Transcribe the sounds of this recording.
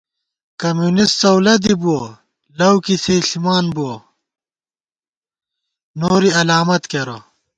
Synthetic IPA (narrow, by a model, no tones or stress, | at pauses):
kɐmjuːnist͡sɐwlɐd̪ibuo | lɐwkiseːɬimaːnbuo | noːɾiɐlaːmɐt̪keɾo̰